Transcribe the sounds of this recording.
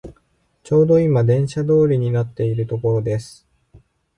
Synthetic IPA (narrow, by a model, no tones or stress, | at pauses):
t͡ɕo̞ːd̪o̞imad̪ẽ̞ɰ̃ɕad̪o̞ːɾʲiɲ̟inat̪ːe̞iɾɯ̟t̪o̞ko̞ɾo̞d̪e̞sɨ̥